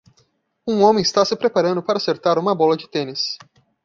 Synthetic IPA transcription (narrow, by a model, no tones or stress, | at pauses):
ũõmẽj̃ɪst̪asɪpɾepaɾɐ̃nd̪ʊpaɾɐaːseɾt̪aɾũmɐbɔlɐd͡ʒɪt̪ẽnɪs